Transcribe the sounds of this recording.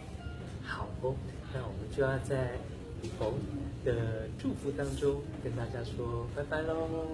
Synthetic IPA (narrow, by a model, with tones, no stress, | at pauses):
xɑ˨˩ʊo˥ | na˥˩wɔ˨˩mə˦nt͡ɕjo˥˧ʊjɑ˥˧ʊt͡sa˥˩ɪ | lu˨˩xʰo˧˥ŋd̪̥ə˨ʈ͡ʂu˥˧fu˥˩t̪ɑ˥ŋʈ͡ʂʊ˥ŋ | kə˥nt̪a˥˧˩t͡ɕja˥ʂwɔ˥pa˧˥ɪpa˧˥˦ɪlɔ˧